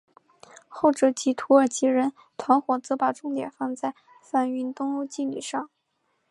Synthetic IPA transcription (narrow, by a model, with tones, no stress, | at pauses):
xo˥˩ʊʈ͡ʂɤ˧˥˩t͡ɕi˧˥t̪ʰu˧˥ə˞˨˩t͡ɕi˧˥ɻə˧˥n | t̪ʰwa˧˥nxwɔ˨˩t͡sɤ˧˥pa˨˩ʈ͡ʂʊ˥˩ŋt̪jɛ̰˨˩nfɑ˥˧ŋt͡sa˥˧ɪ | fa˥˩ny˥˩nt̪ʊ˥ŋo˥˧ʊt͡ɕi˥˩lḭ˨˩ʂɑ˥˩ŋ